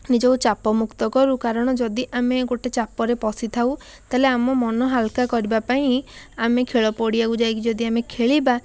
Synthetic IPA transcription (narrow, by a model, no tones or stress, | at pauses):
nid͡ʒɔkut͡ʃapɔmukt̪ɔkɔɾukaɾɔɽ̃ɔd͡ʒɔd̪iʔameɡoʈet͡ʃapɔɾepɔsit̪ʰauw | t̪aɦeleamɔmɔnɔɦalkakɔɾibapaĩamekʰeɭɔpɔɽiaɡud͡ʒajkid͡ʒɔd̪iamekʰeɭiba